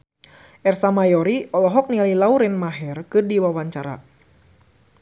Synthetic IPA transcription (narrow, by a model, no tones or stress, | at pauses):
ʔɛrsamajɔɾiʔɔlɔɦɔk̚nialilauɾɛnmaɦɛrkɨrdiwawaɲt͡ʃaɾa̰